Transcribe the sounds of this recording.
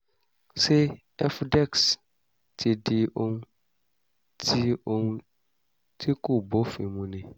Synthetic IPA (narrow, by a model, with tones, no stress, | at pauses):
sɛ˦ | ɛ˦fdɛ˦˨ks | tʰɪ˨dɪ˦o˦ŋ˦ | tʰi˦o˨ŋ˦ | tʰi˦kʊ˦˨bo˦fĩ˨mũ˨nɪ̃˨